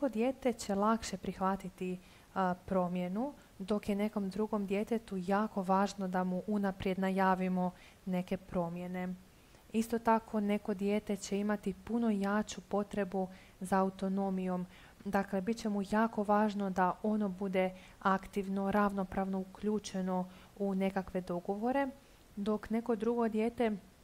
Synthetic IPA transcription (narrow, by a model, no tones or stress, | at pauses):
neko̞d̪je̞ːt̪e̞t͡ɕe̞lˠakʃe̞pɾixʋat̪it̪i | pɾo̞ːmje̞nu | d̪o̞kjene̞ko̞md̪ɾuɡo̞md̪je̞t̪e̞t̪ujaːko̞ʋaːʒnod̪amuʔunapɾje̞d̪najaːʋimo̞ | ne̞ke̞pɾo̞ːmje̞ne̞ | ist̪o̞t̪akʰo̞ne̞ko̞d̪je̞ːt̪e̞t͡ɕe̞imat̪ipuno̞jaːt͡ɕupo̞t̪ɾe̞bu | zaːut̪o̞no̞mijo̞m | d̪akle̞bit̪t͡ɕe̞mujaːko̞ʋaːʒno̞d̪aʔo̞no̞bud̪e̞ | akt̪iʋno̞ɾaʋno̞pɾaːʋno̞ukʎuːt͡ʃe̞no̞une̞kakʋe̞d̪o̞ɡo̞ʋo̞ɾe̞ | d̪o̞kne̞ko̞d̪ɾuɡo̞d̪je̞ːt̪e̞